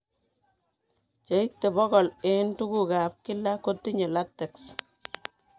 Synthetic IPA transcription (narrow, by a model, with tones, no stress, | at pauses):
t͡ʃe˨i˦tːe˨bɔ˦kɔ˨le˦ntu˦ɡuka˨p̚ki˦la˦ko˦tːi˦ɲe˨latɛ˨ks